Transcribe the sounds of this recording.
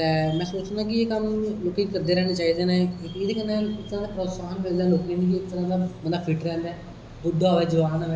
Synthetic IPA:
t̪ɛːmɛ̃ːsoːt͡ʃnãːkɪekamloːkːɪŋkəɾd̪eːɾɛːneːt͡ʃaːiːd̪eːnẽːɪked̪eːkənːɛːɪkt̪əɾãːd̪aːpɾoːsaːnmeld̪ɛ̃ːloːknẽːnĩːk̬iɪkt̪əɾãːd̪aːmət̪ləbpʰɪʈəɾɛ̃ːnd̪ɛː | bʊɖoːʋɛːd͡ʒəʋaːnaʋɛː

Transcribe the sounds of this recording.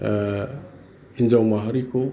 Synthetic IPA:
hind͡ʒawmaɦaɾiko

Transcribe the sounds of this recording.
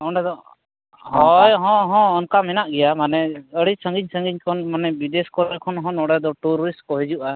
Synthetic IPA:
ɔɳɖɛd̪ɔ | ɦɔjɦɔ̃ɦɔ̃ːnkamɛnaʔɡɛjamanɛəɽisəŋɡiɲsəŋɡiɲkʰɔnmanɛbid̪ɛskɔɾɾɛkʰɔnɦɔ̃nɔɽɛd̪ɔʈuɾɔɾiskɔɦid͡ʒuʔa

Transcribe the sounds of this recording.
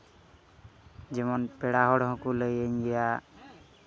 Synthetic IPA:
d͡ʒemɔnpɛɽaɦɔɽɦɔ̃kuləjəɲɡija

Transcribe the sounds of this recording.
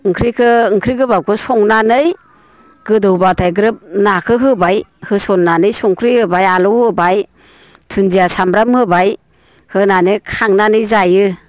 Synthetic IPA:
ɯŋkʰɾikʰɯɯŋkʰɾiɡɯbawkʰɯsɔŋnanɯj | ɡ̥ɯdɯwbatʰajɡɯɾɯp̚nakʰɯɦɯbajhɯsɔnːanɯjsɔŋkʰɾihɯbajalɯwhɯbaj | tʰund͡ʒijasamɾamhɯbaj | hɯnanɯkʰaŋnanɯjzajɯ

